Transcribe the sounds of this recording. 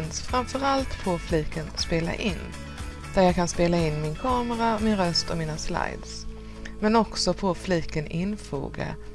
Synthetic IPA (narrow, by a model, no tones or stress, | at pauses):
nsfɾamfœɾalt̪pʰɔfliːkənspeːla̰ʔɪnː | d̪̥æɾjɑːkʰanspeːlaɪnːmɪnkʰɑːməɾamɪnɾœst̪ɔmiːnasla̰jd̪s | mɛnɔksɔpʰɔfliːkənɪnfṵːɡa̰